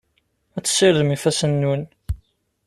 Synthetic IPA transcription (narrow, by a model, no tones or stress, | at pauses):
æt͡sːə̥sːɪɾðmifæsənːun